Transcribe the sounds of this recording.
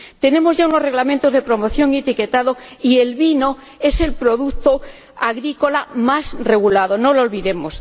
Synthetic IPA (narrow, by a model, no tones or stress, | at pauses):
t̪e̞nẽ̞mo̞zʝaunoreɣlament̪o̞zð̞e̞pɾo̞mo̞θjo̞ŋiet̪ike̞t̪aðoie̞lβino̞ | e̞se̞lpɾo̞ðut̪o | aɣɾiko̞lamasre̞ɣ̞ulað̞onololβiðe̞mos